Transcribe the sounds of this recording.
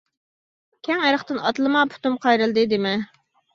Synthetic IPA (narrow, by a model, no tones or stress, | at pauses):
kʲʰɛŋeɾəχt̪ɨnɑt̪lˠɨmɑpʰu̥t̪umqʰɑjɾɨlˠd̪ɨd̪ɪmɛ